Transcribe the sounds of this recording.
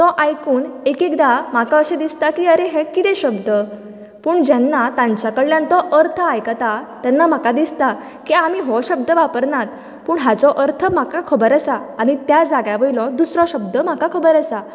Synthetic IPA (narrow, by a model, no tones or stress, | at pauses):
t̪ɔʔajkuːnekikd̪am̤akaəɕẽd̪ist̪akiːəɾeɦekit̪ɛ̃ɕəbd̪ə | puːɳd͡ʑanːat̪ãɲt͡ɕjakəɭljãnt̪ɔʔəɾt̪ʰəajkat̪at̪janːam̤akad̪ist̪a | kiam̤iɦɔɕəb̚d̪əʋapəɾnat̪ | puːɳɦat͡sɔʔəɾt̪ʰəm̤akakʰəbəɾəsaːɽ̃it̪jad͡zaɡjaʋəilɔd̪usɾɔɕəb̚d̪əm̤akakʰəbəɾəsa